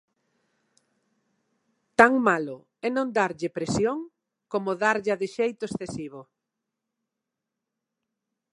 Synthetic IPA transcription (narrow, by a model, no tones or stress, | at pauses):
t̪aŋmalʊ | ɛnõnd̪aɾʎɪpɾesjoŋ | komʊðaɾʎaðɪʃejt̪ʊesθesiβ̞ʊ